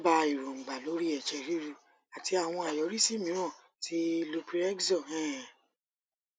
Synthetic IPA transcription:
ba˧i˨ɾõ˨ŋ͡m̩˨ɡ͡ba˨lo˨˦ɾi˦ɛ˨ʃɛ˨˧ɾi˦ɾu˧ | a˨ti˧a˨w̃ɔ̃˧a˨jɔ˨˦ɾi˦si˦˨mĩ˦ɾ̃ã˦˨ | ti˦lo˧pi˦ɾɛ˦ɡzɔ˦˨ɛ̃˦˨

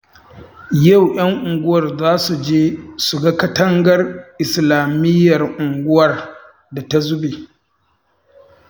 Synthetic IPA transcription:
ja˦˨wj̰ɐ˦ŋʔʊ˨ŋɡʷʊ˦wɐ˨rzaː˦su˨d͡ʒeː˦sʊ˨ɡa˦kɐ˦tɐ˦ŋɡɐ˦rʔɪ˨slaː˨mɪ˦jːɐ˨rʔʊ˨ŋɡʷʊ˦wɐ˨r | da˨ta˦zʊ˦beː˨

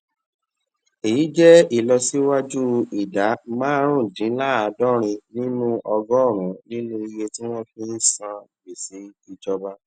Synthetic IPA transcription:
e˨ji˨˦d͡ʒɛ˦i˦˨lɔ˧si˦wa˦d͡ʒu˦i˨da˨˦mã˦ɾ̃ũ˦˨dĩ˨˦la˦a˧dɔ˦ɾ̃ĩ˧nĩ˦nũ˦ʔɔ˧ɡɔ˦ɔ˦˨ɾ̃ũ˨˦nĩ˦nũ˦i˧je˧tĩ˦ɾɔ̃˦fĩ˦n̩˦sã˧˨ɡ͡bi˨si˨˦i˧d͡ʒɔ˧ba˦

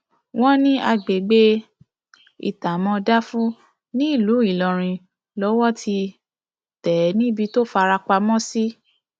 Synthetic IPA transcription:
w̃ɔ̃˦nĩ˦a˧ɡ͡be˨ɡ͡be˧˦ | ḭ˨ta˨mɔ̃˧da˦fũ˦ | nĩ˦i˦˨lu˨˦i˦˨lɔ̃˨ɾ̃ĩ˧ | lɔ˨˦wɔ˦tʰi˧ | tɛ˨˦nĩ˦bi˧to˦fa˧ɾa˧k͡pa˧mɔ̃˦si˦

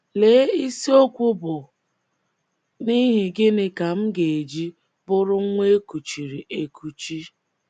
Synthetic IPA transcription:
le˨˦i˦si˦o˦kʷʊ˦bʊ˨ | ni˦ɦɪ˨ɡɪ˦ne˨ka˨m̩˦ɡe˨e˨d͡ʒi˦ | bʊ˦ɾʊ˦ŋʷe˦e˦ku˨t͡ʃi˨ɾi˨ʔe˨kʰu˨t͡ʃi˦

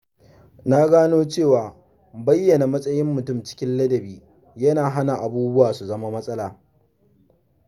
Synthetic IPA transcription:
naː˦ɡaː˦noː˦t͡ʃeː˦˨waː˨ | bɐ˦jːɐ˨na˨mɐ˦sʼɐ˦jɪ˦mːʊ˨tʊ˦mt͡ʃɪ̥˦kʲɪ˦nlɐ˦dɐ˨biː˦ | jɐ˦naː˨ɦa˦na˨ʔa˨buː˦bʊ˦waː˨su˨zɐ˦ma˦mɐ˦sʼɐ˦laː˨

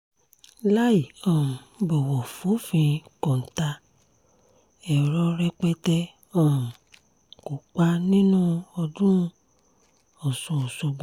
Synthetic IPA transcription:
la˦i˨ɔ̃˨bɔ˨wɔ˨fũ˨˦fĩ˧kɔ̃˨n̩˨ta˧ | ɛ˨ɾɔ˧ɾɛ˧k͡pɛ˦tɛ˦ | ɔ̃˦˨ | ku˨k͡pa˦nĩ˦nũ˦ɔ˧dũ˦˧ | ɔ˨sɔ̃˧˨ɔ˨so˧ɡ͡b̃

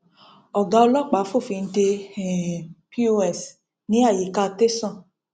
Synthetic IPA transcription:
ɔ˨ɡa˧o˧lɔ˦k͡pa˨˦fo˦˨fi˨˧n̩˦te˧˨ | pi˦o˧˦ɛ˨s | nĩ˨˦a˦˨ji˨ka˧t̪e˦sɔ̃˦˨

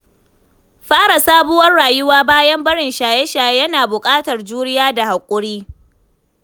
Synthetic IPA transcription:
ɸaː˦ɽa˨saː˦bʊ˦wɐ˦rːaː˨jʊ˦waː˦baː˦jɐ˦mbɐ˦ɽɪ˨nʃaː˨jɛ˦ʃaː˨jjɐ˦naː˨bʊ˨kʼaː˦tɐ˨rd͡ʒuː˦ɽɪ˦jaː˦da˨ha˨kʷʼʊ˦ɽiː˦

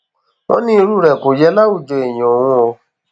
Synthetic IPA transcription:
o̰˦nĩ˦i˧ɾu˦˨ɾɛ˨ko˨jɛ˧˦la˦u˦˨d͡ʒo˨e˨j̃ɔ̃˨wũ˧ɔ˧

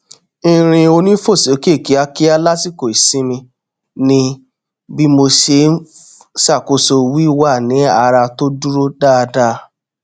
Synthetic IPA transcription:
ĩ˧ɾ̃ĩ˧o˧nĩ˦fo˦˨se˨˦ke˦˨ki˨˦a˧ki˦a˧la˦si˦˨ko˨i˨sĩ˨˦mĩ˧ | nĩ˧ | bi˦mo˧ʃe˧˦ | sa˦˨ko˨˧so˧wi˦wa˦˨nĩ˨˦a˧ɾa˧to˦du˦ɾo˦da˦˧da˦

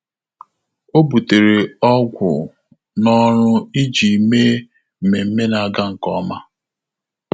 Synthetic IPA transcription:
o˦bu˨te˨ɾe˨ɔ˦ɡʷʊ̰˨ | nɔ˦ɾʊ˦i˦d͡ʒi˨me˦ | m̩˨me˨m̩˦me˦na˨a˦˨ɡa˦ŋ̩˨kɔ˦ma˦

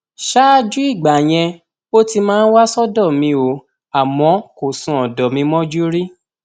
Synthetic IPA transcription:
ʃa˦d͡ʒu˦i˦˨ɡ͡ba˨j̃ɛ̃˧ | o˦ti˧mãː˦n̩˦wa˦sɔ˦dɔ˦˨mĩ˧˦o˨˦ | a˨mɔ̃˨˧˦ko˨sũ˨ɔ˨dɔ˨mĩ˧mɔ̃˦d͡ʒu˦ɾi˦

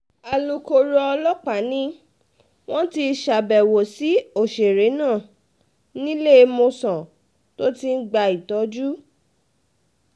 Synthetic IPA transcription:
a˨lo˨ko˧ɾɔ˧ɔ˧lɔ˦k͡pa˨˦nĩ˦ | w̃ɔ̃˦ti˧ʃa˨bɛ˨wo˨si˨˦o˦˨ʃe˨ɾe˨˦nãː˦˨ | nĩ˦le˦˧mõ˧sɔ̃˨ | to˦ti˦n̩˦ɡ͡ba˧i˨tɔ˨˦d͡ʒu˦

